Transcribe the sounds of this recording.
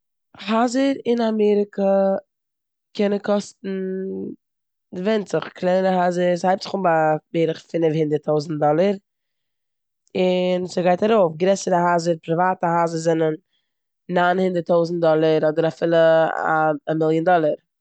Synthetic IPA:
hazəɾɪnamɛːɾɪkə | kʰɛnənkɔstn̩ | dɪvɛntt͡sɪχklˠɛɾəɦazəɾshaɪp̚tzɪχʊmbabeːɾɪχfɪnɪfhɪndəɾtʰoʊzn̩t̚dɔlˠəɾ | ɪnsəɡaɪtaɾoʊfɡɾɛsəɾəɦazəɾpɾɪvaːtəhazəɾzɛnən | naɪnhɪndəɾtoʊzn̩tdɔlˠəɾɔdəɾafɪlˠəa̰ːmɪlˠjəndɔlˠəɾ

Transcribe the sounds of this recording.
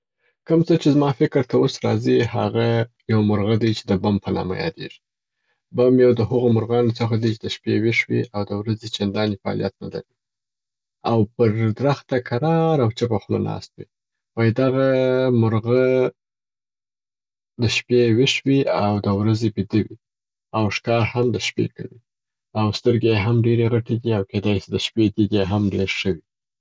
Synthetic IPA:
kəmt͡sət͡ʃezmɑfɪkɾt̪aosɾɑzihaɣa | jawmʊɾɣad̪ajt͡ʃe̥d̪əbampənɑ̰ma̰jɑ̰d̪ḛʐi̥ | bamjawd̪əɦaɣomʊɾɣɑnot͡səxad̪ijt͡ʃed̪əʃpeweʂwḭʔawd̪əwɾazet͡ʃand̪ɑnefaɑ̰lijat̪na̰d̪a̰ɾi | awpəɾd̪ɾaxt̪akʰaɾɑɾawt͡ʃapaxna̰nʔɑ̰st̪wi | wajd̪aɣamʊɾɣə | d̪əʃpewɪʂwiawd̪əwɾazebid̪əwi | awʂkɑhamd̪əʃpḛkawi | awst̪əɾɡejeɦamɖeɾeɣaʈed̪iawked̪ɑjsid̪əʃped̪iɡ̪eɦamɖeɾʃəwi

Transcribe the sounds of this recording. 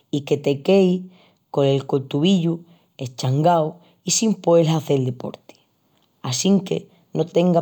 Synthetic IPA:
ike̞t̪e̞ke̞j | ko̞ne̞lkolt̪uβiʎu | e̞t͡ʃaŋɡaw | isimpoelaθe̞ld̪epo̞̰ɾt̪i̥ | asiŋke̞̰ | no̞t̪e̞ŋɡa

